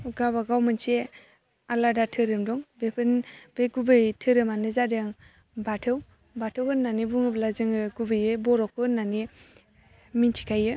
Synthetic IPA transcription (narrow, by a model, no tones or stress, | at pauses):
ɡaβaɡawmɯnse | aladatʰɯɾɯmdɔŋbepʰɯnb̥eɡubɯjtʰɯɾɯmanɯzadeŋ | batʰɯw | batʰɯwhɯnːanibuŋɯblazɯŋɯɡubɯjɯbɔɾɔkʰɯnːani | mintʰi̥kʰajɯ